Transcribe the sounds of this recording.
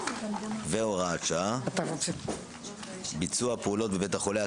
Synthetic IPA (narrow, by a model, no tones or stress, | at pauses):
veoʁat͡ʃat̪avat͡s | bit͡suapeulo̞tbevetaχolea